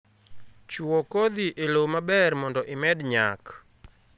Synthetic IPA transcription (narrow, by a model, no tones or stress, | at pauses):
t͡ʃwokod̪iʔelomabɛrmɔndɔʔɪmɛdɲa̰k